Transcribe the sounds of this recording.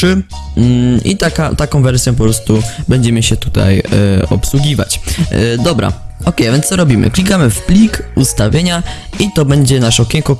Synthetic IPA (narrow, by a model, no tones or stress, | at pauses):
ɘ | ḭt̪akat̪akɔ̃w̃vɛɾsʲjɔ̃p̬ɔpɾɔst̪ubɛɲd͡ʑɛmɘɕɛt̪ut̪a̰jɔ̰pswuɡʲiva̰t͡ɕd̪ɔbɾa̰ɔkɛjavʲjɛnɔɾɔbʲimɘ̰klʲikamɘfplʲikust̪avʲjeɲa | it̪ɔbɛɲd͡ʑɛnaʂɔkʲɛŋkɔ